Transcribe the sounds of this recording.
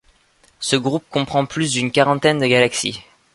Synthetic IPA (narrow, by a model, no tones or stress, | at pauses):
səɡʁup̚kɔ̃pχɑ̃plys̬d̪ynkaʁɑ̃t̪ɛnd̪əɡalaksḭ